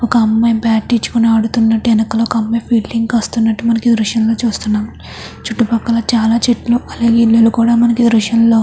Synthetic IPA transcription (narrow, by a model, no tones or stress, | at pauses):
ɔkɐɐmːɐjbaːʈːit͡ʃːu̥kuneɐɽut̪unːɐʈːiɛnɐkɐlokɐɐmːɐjpʰiːlːiŋɡɐst̪unːɐʈːimɐnɐkid̪ɾuʃɐnlo̞ːt͡ʃuːst̪unːaːm | t͡ʃuʈːupɐkːɐlɐt͡ʃaːlaːt͡ʃiʈloɐlaːɡeilːulukuːɽaːmɐnɐkid̪ɾuʃɐnlo̞ː